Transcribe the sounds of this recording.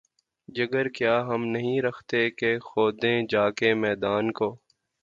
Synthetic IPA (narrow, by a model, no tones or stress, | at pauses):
d͡ʒɐɡəɾkjaːɦɐmnɐɦĩɾɐxʰt̪ekexoːd̪ẽːd͡ʒaːkemɛːd̪aːnkoː